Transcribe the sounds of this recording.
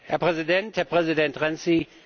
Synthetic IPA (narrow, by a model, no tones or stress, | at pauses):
hæɐpʰʁɛsidendhæɐpʰʁɛsidend̥ʁɛnsi